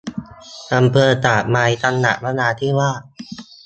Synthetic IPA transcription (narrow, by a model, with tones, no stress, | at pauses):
ʔa˧mpʰɤː˧t̪aː˨˩k̚ma˧jt̪ʰa˧nːa̰˨˩ʔ̚la˦˥naː˧t̪ʰiː˥˩waː˥˩